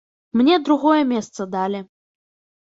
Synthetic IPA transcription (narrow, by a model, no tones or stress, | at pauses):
mnʲɛd̪ɾuɣɔjɛmʲɛst̪sɐd̪alʲɪ